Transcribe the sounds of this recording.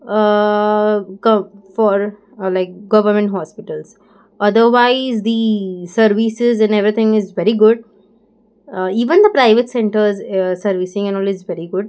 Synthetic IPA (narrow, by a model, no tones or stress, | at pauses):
kʌ̃fɔːɾ | laɪk̚ɡʌʋəɾmɛ̃ɳʈɦɔːspɪʈəlz | ʌd̪əɾʋaɪzd̪isəɾʋisɪzɛ̃neʋɾit̪ʰɪ̃ŋɪzʋɛɾiɡʊɖ̚ | iːʋə̃nd̪əpɾaɪʋeʈsɛ̃ɳʈəɾzsəɾʋisɪ̃ŋɛ̃nɔːlɪzʋɛɾiɡʊɖ̚